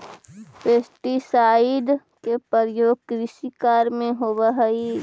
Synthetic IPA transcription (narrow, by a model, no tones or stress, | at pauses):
peːsʈisaːid̪ | kepəɾjoːɡkɾɪsikaːɾmẽɦoːbaɦəi